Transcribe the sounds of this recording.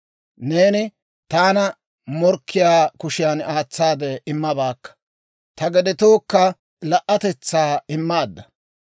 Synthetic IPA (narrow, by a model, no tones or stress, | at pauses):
ne̞ːnɪ | t̪aːnɐ | mɔɾkːɪjaːkʊʃɪjaːnaːt͡sːaːd̪ɛɪmːɐbaːkːɐ̥ | t̪ɐɡɛd̪ɪt̪oːkːɐ | lɐʔːɐt̪ɛt͡sːaːɪmːaːd̪ːɐ